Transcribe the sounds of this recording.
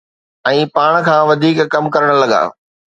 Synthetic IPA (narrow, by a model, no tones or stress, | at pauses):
ɛ̃ːpaːɽ̃kʰãːʋɐd̪ʱiːkkɐmkɐɾəɽ̃̆lɐɠa̰ː